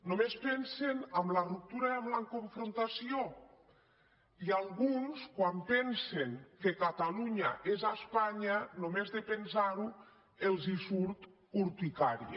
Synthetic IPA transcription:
nomespɛnsenamlarup̚t̪uɾaamlaŋkoɱfɾont̪asio | ialˠɣunskwampɛnseŋkekat̪aluɲaʔezaspaɲanomezðepensaɾu | elˠzisuɾt̪ | uɾt̪ikaɾi

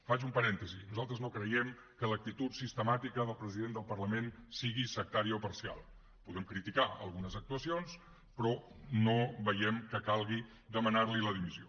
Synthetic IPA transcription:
fat͡ʃumpəɾɛnt̪əzinuzalˠt̪ɾəznokɾəjɛm | kələk̚t̪it̪ut̪sist̪əmat̪ikəðəlˠpɾəziðend̪əlˠpərləmensiɣisək̚t̪aɾiəɔpəɾsia̰lˠ | puðɛmkɾit̪ikaə̰lˠɣunəzək̚t̪uəsions | pɾɔnoβəjɛmkəkalˠɣi | d̪əmənarliləðimizio

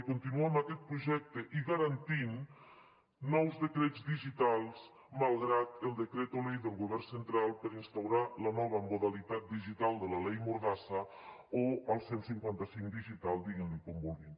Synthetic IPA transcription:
kunt̪inuamakɛt̪̚pɾuʒɛk̚t̪əʔiɣaɾant̪in | ɔwzðəkɾed͡zd̪iʒit̪alˠs | malˠɣɾat̪əlˠd̪əkɾet̪olejðəlˠɣuβɛrnsənt̪ɾalˠpəɾinst̪awɾalənɔβəmuðalit̪at̪̚d̪iʒit̪alˠd̪ələlejmuɾðasə | oəlˠsensiŋkwant̪asiŋd̪iʒit̪alˠd̪iɣinlikombulˠɣin

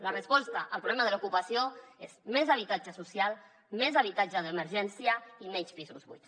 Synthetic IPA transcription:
lərəspɔst̪aʔəlˠpɾuβlɛmaðəlukupəsioezmɛzəβ̞it̪ad͡ʒəsusjalˠ | mɛzəβ̞it̪ad͡ʒəðəməɾʒɛnsiəimɛɲspizuzβṵjt̪

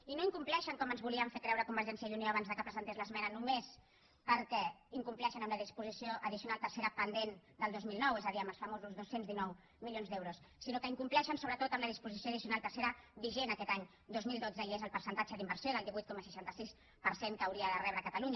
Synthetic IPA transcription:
inoiŋkumplɛʃəŋkɔmənzβuliəɱfekɾɛwɾəkumbəɾʒɛnsiəðunioaβanzðəkəpɾəzənt̪ezləzmɛnənumes | pəɾkɛiŋkumplɛʃənəmləðispuzisioʔəðisiunalˠt̪əɾseɾəpənd̪end̪əlˠd̪ozmilˠnɔwezəðiəməlˠsfəmozuzðosenzðinɔw | miljonzðd̪ewɾusːinokəiŋkumplɛʃənsoβ̞ɾət̪ot̪əmləðispuzisioəðisiunalˠt̪əɾseɾəβiʒenəkɛt̪aɲ | d̪ozmilˠd̪od͡zəiezəlˠpəɾsənt̪at͡ʃəðimbəɾsjoðəlˠd̪iβujt̪kɔməsəʃant̪əsis | pəɾseŋkəwɾiəðərɛβɾəkət̪əluɲ

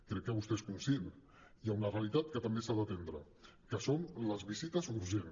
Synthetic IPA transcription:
kɾɛkːəβust̪eskunsjen | iaunərealit̪at̪̚kət̪əmbesaðət̪end̪ɾə̰ | kəsonləzβizit̪əzuɾʒen

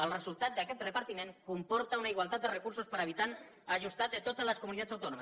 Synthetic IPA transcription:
alresult̪at̪̚d̪aket̪repaɾt̪ineŋkompo̞ɾt̪awnaiɣwalt̪at̪erekuɾso̞spaɾaβit̪an | aʝust̪at̪et̪ot̪alasko̞muniðat̪sawt̪onoma

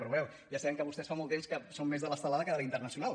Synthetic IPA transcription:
pɾuβɛw | ʒasaɛŋkəβust̪ɛsfamɔlˠt̪emskəsomːezðələst̪əlaðəkəðəlint̪ərnəsiunalˠ

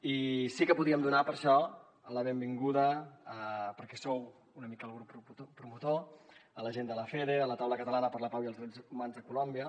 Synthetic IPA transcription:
isikəpuðiəmd̪unapəɾʃɔ | ələβembiŋɡuðəəpəɾkɛsow | unəmikəːlˠɣɾupːɾupɾumut̪oələʒend̪ələfeɾeələt̪awləkət̪əlanəpəɾləpawiəlˠzðɾɛd͡zumanzðəkulombiə

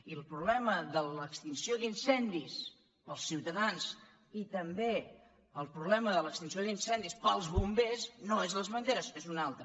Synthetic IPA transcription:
iəlˠpɾuβlɛməðələkst̪insioðinsɛnd̪is | pəlˠsːiwt̪əðans | it̪əmbe | əlˠpɾuβlɛməðələkst̪insioðinsɛnd̪ispəlˠzβumbesnoezləzβənd̪eɾəsezunalˠt̪ɾə

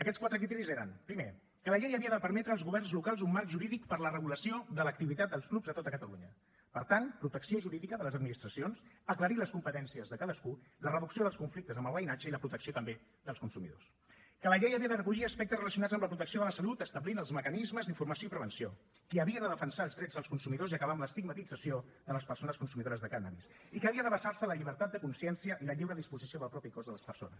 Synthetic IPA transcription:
əkɛskwat̪ɾək̬ɾit̪ɛɾizeɾənpɾime | kələʎejəβiəðəpəɾmɛt̪ɾəːlˠzɣuβɛrnzlukalˠzumːaɾkʒuɾiðikpəɾlərəɣ̞uləsioðələkt̪iβit̪at̪̚d̪əlˠsklubzðət̪ot̪əkət̪əlṵɲə | pəɾt̪anpɾut̪əksioʒuɾiðikəðələzəd̪minist̪ɾəsionsəkləɾiləskumpət̪ɛnsiəzðəkaðəskulərəðuksioðəlˠskuɱflik̚t̪əzəmbəlˠβəjnad͡ʒəiləpɾut̪əksiot̪əmbe | ðəlˠskunsumḭðo̰s | kələʎejəβiəðərəkuʎiəspɛk̚t̪ərələsiunad͡zzəmləpɾut̪əksioðələsəlut̪əst̪əβlinəlˠzməkənizməzðiɱfurməsijoipɾəβənsio | kiəβiəðəðəfənsaːlˠzðɾɛd͡zðəlˠskunsumiðoziəkəβamləst̪iɡmət̪id͡zəsioðələspərsonəskunsumiðoɾəzðəkanə̰βḭs | ikəːβiəðəβəsarsələʎiβ̞əɾt̪at̪̚d̪əkunsiɛnsiəʔiləʎiwɾəðispuzisioðəlˠpɾɔpikɔzðələspərso̰nəs

